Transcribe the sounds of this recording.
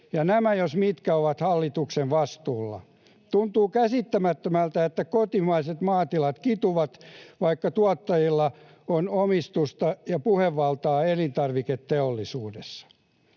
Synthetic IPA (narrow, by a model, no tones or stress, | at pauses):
jɑnæmæjosmit̪kæoʋɑt̪hɑlːit̪uksenʋɑst̪uːlːɑ̰ | t̪unt̪uːkæsit̪ːæmæt̪ːømælt̪æet̪ːækot̪imɑiset̪mɑːt̪ilɑt̪kit̪uʋɑt̪ʋɑikːɑt̪uɑt̪ːɑjilːɑ | onomist̪ust̪ɑjɑpuheʋːɑlt̪ɑːelint̪ɑrʋiket̪teolːisuːdesːɑ̥